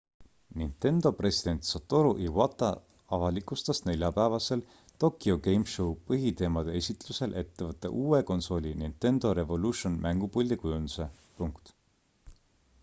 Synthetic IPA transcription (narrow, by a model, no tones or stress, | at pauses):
nint̪e̞nd̪o̞pre̞sid̪̥e̞nʲt̪sot̪ːoɾuʔiwɑt̪ːˑɑ | ɑvɑlikˑust̪ɑsne̞lʲjɑpæevɑse̞l | t̪o̞kːˑioɡe̞jmʃopɤɦit̪e̞ːmɑd̪̥e̞esʲit̪luse̞lʔe̞t̪ːe̞vɤt̪ːˑḛʔuːeko̞nso̞lʲinint̪e̞nd̪̥o̞ɾe̞vo̞luʃonmʔæŋɡ̥upulʲd̪ikujund̪̥use̞ | puŋkt̪